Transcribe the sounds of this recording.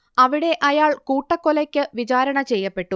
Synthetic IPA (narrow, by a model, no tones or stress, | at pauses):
ɐʋiɽe̞ʔɐjaːɭkuːʈːɐkːolɐkʲːɨʋit͡ɕaːɾɐɳɐt͡ɕejːɐpːe̞ʈːu